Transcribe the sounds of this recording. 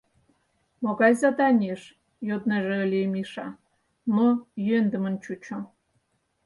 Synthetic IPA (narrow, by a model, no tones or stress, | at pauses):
moɣɑjzɑd̪ɑnʲeʃ | jod̪neʒeːlʲemiʃɑ | nojønd̪ə̆mə̆nt͡ɕut͡ɕo